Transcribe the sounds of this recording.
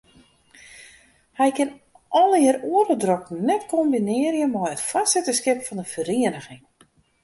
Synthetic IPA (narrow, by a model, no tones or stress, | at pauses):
hɛjkɪn | ʔɔlɪəɾuəɾədroknɛtkʰombinɪərjəmɔjətfasɪtəskɪpfɔndəfəriənəxɪŋ